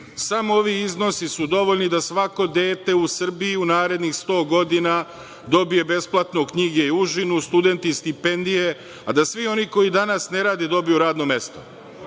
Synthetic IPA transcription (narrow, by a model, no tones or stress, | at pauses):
samooʋiizno̞sisud̪o̞ʋo̞ʎnid̪asʋako̞d̪e̞ːt̪e̞usr̩bijiunaːɾe̞d̪nixst̪o̞ːɡo̞d̪ina | d̪o̞bije̞be̞splˠat̪nokɲiɡe̞iuʒinust̪ud̪e̞nt̪ist̪ipe̞nd̪ije̞ | ad̪asʋio̞niko̞id̪anasne̞ɾaːd̪ed̪o̞bijuɾaːd̪nome̞st̪o